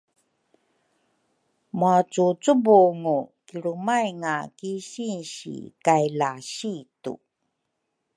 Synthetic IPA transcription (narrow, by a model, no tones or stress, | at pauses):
muat͡sut͡subuŋukiɾumajŋa̰kiɕinɕḭkajlaɕitṵ